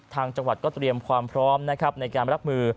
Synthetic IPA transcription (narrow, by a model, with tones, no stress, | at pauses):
t̪ʰaː˧ŋt͡ɕa˧ŋwa˨˩t̪̚kɔː˥˩t̪ɾi˧əmkʰwaː˧mpʰɾɔː˦˥mna˦˥kʰa˦˥p̚na˧jkaː˧nɾa˦˥p̚mɯː˧